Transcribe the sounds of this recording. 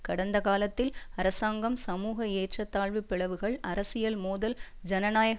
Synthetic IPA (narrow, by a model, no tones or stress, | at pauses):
kɐɽɐnd̪ɐkaːlɐt̪ːɪlɐɾɐsaːŋɡɐmsɐmuːɣɐeːʈrɐt̪ːaːɭʋɯpːɪɭɐʋɯɣɐɭɐɾɐsɪjɐlmoːðɐld͡ʒɐnɐnaːjɐɣ